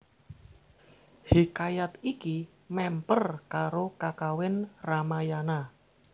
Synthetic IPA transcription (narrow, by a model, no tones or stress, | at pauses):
hikajat̪iki | mɛmpərkaɾokakawɪnramajana